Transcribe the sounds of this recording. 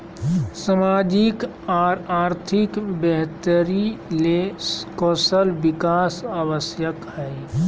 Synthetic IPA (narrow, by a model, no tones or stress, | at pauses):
səmaːd͡ʒɪk | ɔːɾaːɾt̪ʰɪkbɛɦt̪əɾilekɔːsəlbɪkaːsawəsjəkhɛː